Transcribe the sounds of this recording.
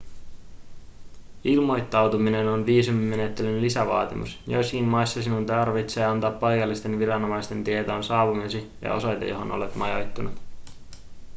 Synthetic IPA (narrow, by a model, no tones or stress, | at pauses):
ilmo̞jt̪ːɑwt̪umine̞nonʋiːsumiːe̞ne̞t̪ːelynlisæʋɑ̰ːt̪imṵsjo̞̰jsːkinmɑjsːɑsinunt̪ɑrʋit̪seːɑnt̪ɑːpːɑjkɑlːist̪e̞nʋirɑno̞mɑjst̪e̞nt̪iet̪oːnsɑːʋumesijɑ̰ʔo̞̰sɑjt̪ḛjo̞ɦo̞̰nʔolḛt̪mɑjo̞jt̪ːunut̪